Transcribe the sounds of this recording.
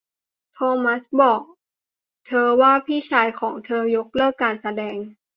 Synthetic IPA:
t̪ʰoː˧ma˦˥sbɔː˨˩k̚ | t̪ʰɤː˧waː˥˩pʰiː˥˩t͡ɕʰaː˧˦jkʰɔː˩˦ŋt̪ʰɤː˧jo˦˥k̚lɤː˥˩kːaː˨nsa˧dɛː˧ŋ

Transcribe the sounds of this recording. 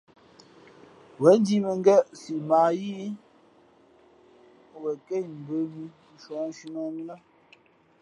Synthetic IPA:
wɛ˨˦n˦di˦mə˨ŋ˦ɡɛ˦ʔsi˨ma˨ji˦˨ | wɛ˨ke˦˨m̩˨bə˨˦mi˦ | ʃɔ˨n˦ʃi˦nɔ˦ŋ˦la˦

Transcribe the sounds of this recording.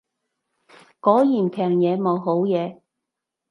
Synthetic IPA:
kɔː˨˥jiː˨˩npʰɛː˨˩ŋjɛː˨˧mo˨˧wɦo˨˥wjɛː˨˧

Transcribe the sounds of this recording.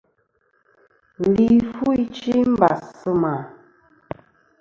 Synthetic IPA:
li˦˨fu˦i˦t͡ʃi˦m̩˦ba˨sə˦ma˨

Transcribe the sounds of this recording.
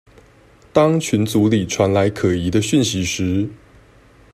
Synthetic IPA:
t̪ɑ˥ŋt͡ɕʰy˨˥nt͡su˨˧˥li˨˩ʈ͡ʂʰwa˧˥nla˧˥ɪkʰɤ˨˩i˨˥d̪ə˧ɕy˥˨nɕi˨˧˥ʂɻ̩˧˥

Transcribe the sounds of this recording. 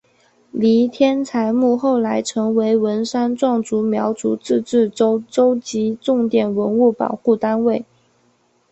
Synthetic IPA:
li˧˥t̪ʰjɛ˥nt͡sʰa˧˥ɪmu˥˧xo˥˩ʊla˧˥ɪʈ͡ʂʰɤ˧˥ŋwe˧˥ɪwə˧˥nʂa˥nʈ͡ʂwɑ˥˩ŋt͡su˧˥mjɑ˧˥ʊt͡su˨˥˦t͡sɻ̩˥˧ʈ͡ʂɻ̩˥˩o˥ʊʈ͡ʂo˥ʊt͡ɕi˧˥ʈ͡ʂʊ˥˩ŋt̪jɛ˨˩nwə˧˥nu˥˩pɑ̰˨˩ʊxu˥˩t̪a˥nwe˥˩ɪ

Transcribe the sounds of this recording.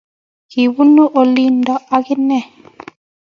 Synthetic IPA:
ki˨wu˦no˦ʔo˨li˦ndɔ˦a˦kɪ˦nɛ˦˨

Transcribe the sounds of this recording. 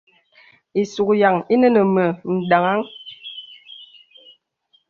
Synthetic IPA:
i˨su˨kja˨ŋi˦nə˦nə˨mə˨n̩˨da˨ŋa˦ŋ

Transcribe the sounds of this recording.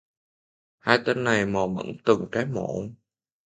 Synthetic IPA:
haː˧jt̪ə˧nːa˨˩jmɔ˨˩mə̰˧˥nt̪ɨ˨˩ŋkaː˨˦jmo̰˧˨˩

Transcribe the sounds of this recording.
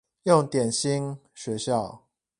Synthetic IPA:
jʊ˥˨ŋt̪jɛ˨˩nɕi˦ŋ | ɕɥɛ˧˦ɕjɑ˥˨ʊ

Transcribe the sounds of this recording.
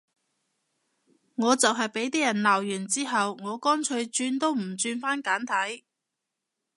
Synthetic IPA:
ŋɔː˨˧t͡sɐ˨wɦɐ˨jpe˨˥jt̪̬iː˥jɐ˨˩nlaː˨˩wjyː˨˩nt͡siː˥ɦɐ˨wŋɔː˨˧kɔː˥nt͡ʃʰɵ˧ɥt͡ʃyː˧nt̪o˥wm̩˨˩t͡ʃyː˧nfaː˥nkaː˨˥nt̪ʰɐ˨˥j

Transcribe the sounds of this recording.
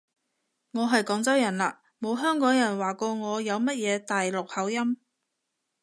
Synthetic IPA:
ŋɔː˨˧ɦɐ˨jkɔː˨˥ŋt͡sɐ˥wjɐ˨˩nla̰ː˧ | mo˨˧wɦœː˥ŋkɔː˨˥ŋjɐ˨˩nwaː˨kɔː˧ŋɔː˨˧jɐ˨˧wmɐ˥t̚jɛː˨˧t̪aː˨jlʊ˨k̚hɐ˨˥wjɐ˥m

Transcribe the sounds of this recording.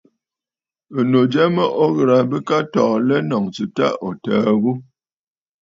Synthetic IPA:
ə˨no˨d͡ʒɛ˦mə˦ʔo˦ɣə˨ɾa˨bə˦ka˦tɔ˨lɛ˦nɔ˨ŋt͡sɨ˨ta̰˦o˨təː˨ɣu˦

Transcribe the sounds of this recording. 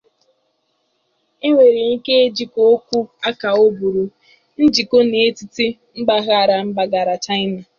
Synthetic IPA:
i˦ŋʷe˨ɾe˨ŋi˦ke˦e˦d͡ʒi˨ko˦o˦kʷu˦a˦ka˨o˦bu˨ɾu˨ | n̩˦d͡ʒi˨ko˦ne˨e˦ti˦ti˦ | m̩˦ɡ͡ba˦ɣa˦a˨ɾa˨m̩˦ɡ͡ba˨ɡa˨ɾa˨t͡ʃa˦ɪ˦na˨

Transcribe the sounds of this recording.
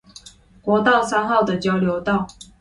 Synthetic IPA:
kwɔ˧˥t̪ɑ˥˨ʊsa˥nxɑ˥˩ʊd̪ə˩t͡ɕjɑ˥ʊljo˧˥ʊt̪ɑ˥˨ʊ

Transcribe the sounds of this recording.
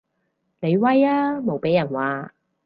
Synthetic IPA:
ne˨˧jwɐ˥jaː˥mo˨wpe˨˥jːɐ˨˩nwaː˨˧

